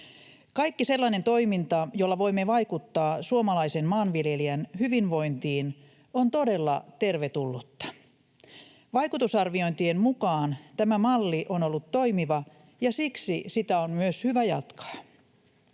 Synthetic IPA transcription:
kɑikːise̞lːɑine̞nt̪o̞imint̪ɑjolːɑʋoimːeʋɑikut̪ːɑːsuomɑlɑisenmɑːnʋiljeliænhyʋinʋo̞int̪iːn | ont̪o̞de̞lːɑ̰t̪e̞rʋet̪ulːut̪ːɑ̥ | ʋɑjkut̪usɑrʋio̞nt̪iemmukɑːnt̪æmæmɑlːiʔonolːut̪to̞imiʋɑ | jɑsiksisit̪æonmyøshyʋæjɑ̰t̪kɑ̥

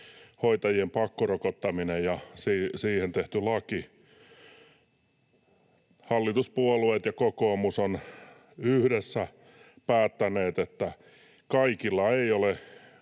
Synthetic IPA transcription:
hoit̪ɑjiempɑkːorokot̪ːɑminejɑsiːsiːhent̪eht̪ylɑki | hɑlːit̪uspuoluet̪jɑkokoːmuson | yhdesːæ | pæːt̪ːæneːt̪et̪ːæ | kɑikilːɑeiole

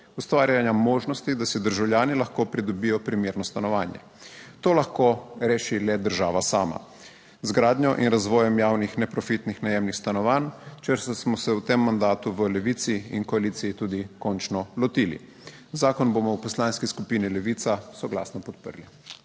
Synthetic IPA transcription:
ust̪ʋaːɾjanjamɔːʒnɔst̪id̪asɛd̪əɾʒawljaːnilaxkoːpɾid̪ɔbijɔpɾimjeːɾnɔst̪anɔʋaːnjɛ̰ | t̪oːlaxkoɾeːʃilɛd̪əɾʒaːʋasaːma̰ | zɡɾaːd̪ɲjɔʔḭnɾazʋɔːjɛmjaːwnixnɛpɾɔfit̪nixnajeːwmnixst̪anɔʋant͡ʃəɾst̪asmɔsɛwt̪emːand̪aːt̪uʋəlɛʋiːt̪siinkɔaliːt̪siːt̪uːd̪ikɔnt͡ʃnɔlɔt̪iːlḭ | zaːkɔnbomɔwpɔslaːnskiskupiːnilɛʋiːt̪sasɔɡla̰ːsnɔpɔt̪̚pə̰ɾli

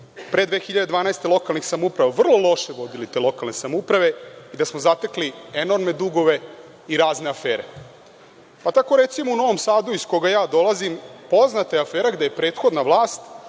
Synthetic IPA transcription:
pɾe̞d̪ʋe̞ːxiʎad̪ed̪ʋaːnaest̪e̞lˠo̞kalnixsamupɾaʋaʋr̩lˠo̞lˠo̞ʃe̞ʋo̞d̪ilit̪elo̞kalnesamupɾaʋe̞id̪asmozat̪eklie̞no̞ɾme̞d̪uɡo̞ʋe̞ | iɾaːzneafeːɾḛ | pat̪ako̞ɾe̞t̪simouno̞ʋo̞msaːd̪uisko̞ɡajaːd̪o̞lazimpo̞znat̪ajeafeːɾaɡd̪ejepɾeːt̪xo̞d̪naʋlˠaːst̪

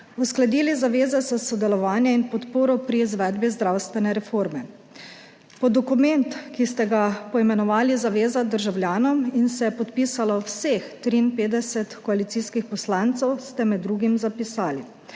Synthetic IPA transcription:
usklad̪iːlizaʋeːzɛsɛsɔd̪ɛlɔʋaːnjɛinpɔt̪poːɾɔpɾiːzʋɛd̪bizd̪ɾawst̪ʋɛnɛɾɛfoːɾmɛ | pɔd̪ɔkumɛnt̪kist̪ɛɡapɔimɛnɔʋaːlizaʋeːzad̪əɾʒawljaːnɔminsɛjɛpɔt̪piːsalɔwsext̪ɾiːnpeːd̪ɛsɛt̪kɔalit̪siːskixpɔslaːnt̪sɛwst̪ɛmɛd̪ːɾuːɡimzapisaːli

